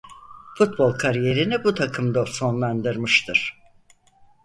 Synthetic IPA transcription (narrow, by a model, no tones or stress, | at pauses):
fut̪̚bo̞lˠkʰaɾije̞ɾinibut̪ʰakʰɯmd̪aso̞nlˠand̪ɯɾmɯʃt̪ʰɯɾ̥